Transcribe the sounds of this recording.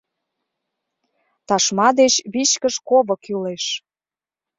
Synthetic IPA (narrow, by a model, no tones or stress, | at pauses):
t̪ɑʃmɑd̪et͡ɕβiʃkəʃkoβəkyleʃ